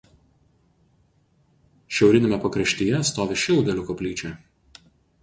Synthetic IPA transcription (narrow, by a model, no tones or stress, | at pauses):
ʃʲɛʊɾʲɪnʲeˑmʲɛpɐkɾɐʃʲt̪ʲɪjɛst̪oːʋʲeʃʲɪlˠd̪ʲɛlʲʊkɔpʲlʲiːt͡ʃʲɛj